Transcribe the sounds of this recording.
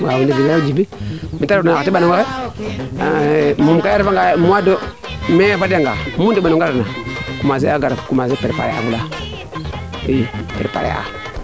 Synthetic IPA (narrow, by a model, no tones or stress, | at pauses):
awuniɡild͡ʒibimitaɾnatibanoŋɡae | mumkajaɾvaŋɡamuwado | meafaɾaŋɡa̰mundibanoŋɡaɾnakumazeaɡaɾkumazepeɾpa̰ḛʔa̰vula | ipḛɾpa̰ɾḛa̰